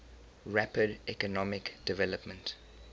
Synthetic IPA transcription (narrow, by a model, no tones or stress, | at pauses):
ɹapədɛkənɔmɪkd̥ɪvɛləpmə̃nt